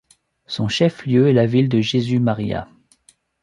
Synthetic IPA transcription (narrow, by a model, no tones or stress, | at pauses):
sɔ̃ʃɛfljøɛlavild̪əʒezymaʁija̰